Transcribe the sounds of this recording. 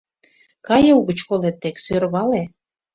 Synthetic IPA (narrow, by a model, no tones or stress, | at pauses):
kɑjeuɣət͡ɕkolet̪ːeksøɾβɑle